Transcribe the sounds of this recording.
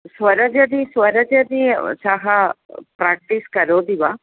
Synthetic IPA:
sʋɐɾəd͡ʒəd̪isʋəɾəd͡ʒəd̪isaɦɐpɾak̚ʈiskɐɾod̪iʋa

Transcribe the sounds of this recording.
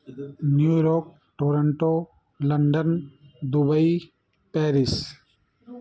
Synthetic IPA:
njuːɾɔːk | ʈoːɾəɳʈo | lɐɳɖənd̪ubəi | pɛːɾɪs

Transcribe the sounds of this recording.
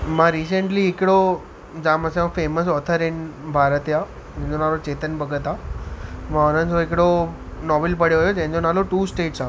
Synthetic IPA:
mãɾiːsə̃ɳʈliɦɪkɽo | d͡ʑãːməsãfeːməs̬ɔːt̪ʰəɾɪnbʱaːɾət̪ja | ẽɦɪ̃d͡ʑonaːlot͡ɕeːt̪ənbʱəɡət̪a | mãʊnənd͡ʑoɪkɽo | nɔːʋɪlpəɽ̤joɦojod͡ʑɐ̃ɦɪ̃ɲd͡ʑonaːloʈuːsʈeːʈsaː

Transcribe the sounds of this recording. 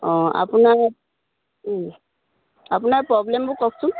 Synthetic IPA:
ɔ̃a̰punaɹ | apunaɹpɹɔblembʊkɔkʰsʊm

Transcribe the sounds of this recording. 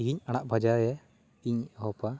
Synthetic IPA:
iɡiɲañaʔbʱad͡ʒaɛ | iɲɦɔpa

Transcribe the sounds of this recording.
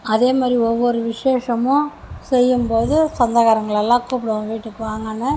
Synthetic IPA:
ɐðeːmaːd̪ɾiɔʋːɔɾɯʋɪʂeːʂɐmõː | sɛjːɯmpoːðɯsɐnd̪ɐɣaːɾɐŋɡɐɭɐlːãːkuːpːɪɽɐʋʋiːʈːɯkːɯʋaːŋɡɐnːɯ

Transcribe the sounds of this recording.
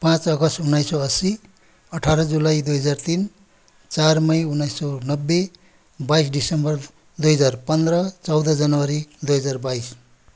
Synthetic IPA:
pãt͡sʌɡʌst̪unːajsoʌsi | ʌʈʰaɾʌd͡zulajd̪ujɦʌd͡zart̪in | t͡sarmʌjunːajsonʌbːe | bajsɖisʌmbʌr | d̪ujɦʌd͡zarpʌnd̪rʌt͡sʌwd̪ʌd͡zʌnʌwʌɾid̪ujɦʌd͡zarbajs

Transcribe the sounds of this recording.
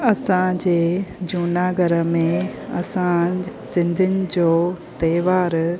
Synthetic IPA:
ɐsãd͡ʑeːd͡ʑuːnaːɡəɾəmẽɐ̰sãsɪ̃nd̪ʱɪnɪ̆d͡ʑoːt̪ɐːʋaːɾ

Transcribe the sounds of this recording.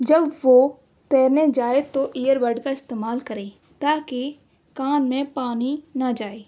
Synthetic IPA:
d͡ʒɐbʋo | t̪ɛːɾned͡ʒaːet̪oʔiːjəɾʋəɖkaɪst̪eːmaːlkɐɾẽː | t̪aːki | kaːnmẽpaːninɐd͡ʒaːeː

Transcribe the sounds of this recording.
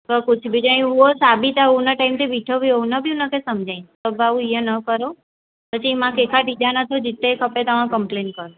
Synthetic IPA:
kəkʊt͡ʃʰbid͡ʒaĩɦuosabit̪aunəʈaimt̪ʰibiʈʰobʱionəbʱijũnəkẽsəmd͡ʒʱaĩt̪əbaũijə̃nəkəɾo | pət͡ʃʰimãkekʰaʈid̪anət̪ʰod͡ʒit̪ːekʰəpet̪əʋãkəmplenkəɾo

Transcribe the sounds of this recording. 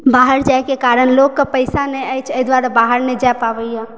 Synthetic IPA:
baːɦəɾd͡ʒaekekaːɾəɳloɡ̚kapəɪsanɛ̃ajt͡ʃʰəɪd̪waːɾabaːɦəɾned͡ʒajpaʋəjɦã

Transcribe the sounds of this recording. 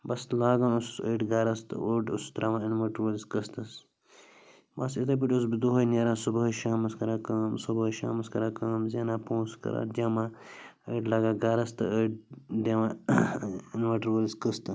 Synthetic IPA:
bɐslaːɡãːnussəːʈɡaːɾɐst̪ɨ̰ʔoːʈṵst̪ɾamãinmɐʈɾwoliskəst̪ɐs | bɐsit̪̬ɐp̬iʈʲus̬bid̪uɦɐjneːɾãːsubɐɦʃaːmɐskɐɾaːkɐːmsubɐʃa̰ːmɐskɐɾaːkaːmzʲeːnaːpõːskɐ̰ɾa̰ːd͡ʒaːmãː | əːʈlaːɡaːɡaːɾɐst̪ɨ̰əʈ̚d̪eːʋãː | inmɐʈɾwolskəst̪ɐ

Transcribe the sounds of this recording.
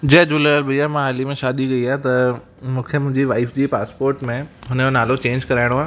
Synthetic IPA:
d͡ʑɐɦd͡ʑoːlɐəlbɪjamãɦaːlimẽʃaːd̪iɡɐiaːet̪ɐ | mũːkʰemʊ̃ɪ̃ɲd͡ʑiʋaːɪfd͡ʑiːpaːspoːɾʈmẽɦʊnəjonaːlot͡ɕẽːɲd͡ʑkɐɾaːɪ̃ɽ̃oɦaːɦ

